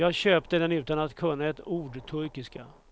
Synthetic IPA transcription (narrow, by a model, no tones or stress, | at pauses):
jɑːɡɕøːpt̪əd̪ɛnʉ̟ːt̪anat̪kʰɵnːaɛt̪uːɖt̪ʰɵɾkɪska